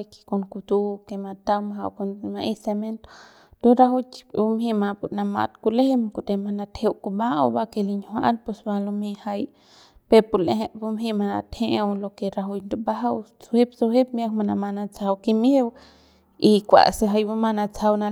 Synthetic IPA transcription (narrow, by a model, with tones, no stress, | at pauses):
jki̥˧ko˧ŋku˧t̪ukema˧t̪awmaɦa˧wkonmaʔi˦se˧me˦nt̪o̥ | d̪̥uɾaɦut͡ʃu˧mhi˧ma˧pu˨ɾna˧ma̰˧t̪kule˦hemkut̪ema˧na˧t̪hewkuba˦ʔa̰˧ba˧ke˧liɲhʷaʔa̰˦npesbalomi˧ha˧j | pepu˧le˧ɦebu˧mɦi˧mana˧t̪heʔewlo˧ke˧ɾa˧ɦu˧jnd̪ubaɦawt͡suhep̚su˧ɦep̚mjakma˧na˧ma˧nat͡saa˧wkimew | ikʷa̰˨seɦa˧jba˧ma˧na˧t͡sa˧wna